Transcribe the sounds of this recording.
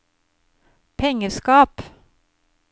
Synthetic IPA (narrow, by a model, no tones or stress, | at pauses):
pʰɛŋəɾskɑːp